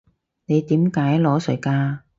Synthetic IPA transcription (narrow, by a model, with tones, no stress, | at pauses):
ne˨˧jt̪iː˨˥mkaː˨˥jlɔː˨˥sɵ̰˨˩ɥkaː˧